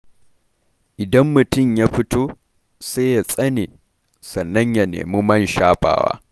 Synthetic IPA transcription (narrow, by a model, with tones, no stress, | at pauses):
ʔɪ˨dɐ˦mːʊ˨tʊ˦˨ɲjaː˦ɸɪ˦toː˦ | seː˦ja˨sʼɐ˦neː˨ | sɐ˨nːɐ˦ɲja˨nḛː˨mu˦mɐ˦nʃaː˦ɸʼa̰ː˨wa̰ː˦